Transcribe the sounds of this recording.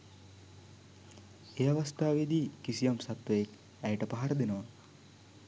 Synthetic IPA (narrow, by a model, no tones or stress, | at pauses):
eːaʋast̪aːʋed̪iːkisijamsat̪ʋəjek | æjʈəpaɦaɾəd̪enəʋa